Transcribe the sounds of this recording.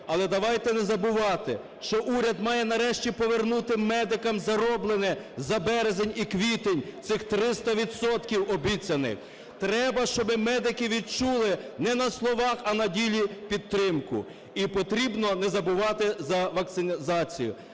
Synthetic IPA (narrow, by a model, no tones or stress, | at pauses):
ɐlˠɛd̪ɐʋɑjt̪ɛnɛzɐbʊʋɑt̪ɪ | ʃt͡ʃɔʔuɾʲɐd̪mɑjɛnɐɾɛʃt͡ʃʲipɔʋernut̪ɪmɛd̪ɪkɐmzɐɾɔblˠenɛzɐbɛɾezenʲikʋʲit̪enʲt̪sɪxt̪ɾɪst̪ɐʋʲid̪sɔt̪kʲiwɔbʲit͡sʲɐnɪ̰x | t̪ɾɛbɐʃt͡ʃɔbɪmɛd̪ɪkɪʋʲid̪̚t͡ʃulˠɪnɛnɐslˠɔʋɑxɐnɐdʲilʲipʲid̪̚t̪ːɾɪmkʊ̰ | ipɔt̪ɾʲibnɔnɛzɐbʊʋɑt̪ɪzɐʋɐk̚t̪sɪnʲzɑt͡sʲijʊ̰